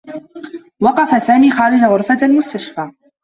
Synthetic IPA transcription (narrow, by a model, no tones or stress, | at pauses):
wɑqɑfasaːmiːxɑːɾɪd͡ʒaɣʊɾfat̪almʊst̪aʃfaː